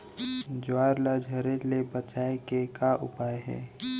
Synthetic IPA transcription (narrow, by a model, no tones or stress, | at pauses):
d͡ʒaːɾlad͡ʒʱəɾelebət͡ʃaːekekaʔʊ̰paːeɦɛ̰ː